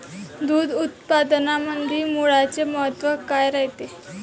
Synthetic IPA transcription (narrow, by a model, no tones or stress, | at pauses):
d̪uːd̪ut̪̚pad̪namənd̪ʱiːmuɭat͡seməɦət̪ʋəkajɾaɦt̪e